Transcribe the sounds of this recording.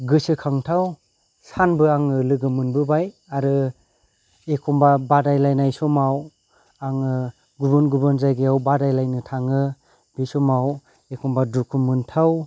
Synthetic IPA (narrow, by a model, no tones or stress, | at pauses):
ɡɯsɯkʰaŋtʰaw | sanbɯaŋɯlɯɡɯmɯnbɯbaj | aɾɯ | ekʰɔmbabadajlajnajsɔmaw | aŋɯ | ɡuβɯnɡubɯnzajɡejawbadajlajnɯtʰaŋɯ | b̥isɔmaw | ekʰɔmbadukʰɯmɯntʰaw